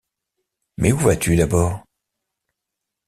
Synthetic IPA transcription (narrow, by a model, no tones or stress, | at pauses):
mʔɛuvat̪yd̪abɔːʁ